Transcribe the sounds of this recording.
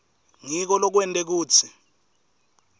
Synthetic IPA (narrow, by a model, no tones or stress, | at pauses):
ŋik̬ɔlɔk̬wɛntʼek̬uːt͡sʰi̥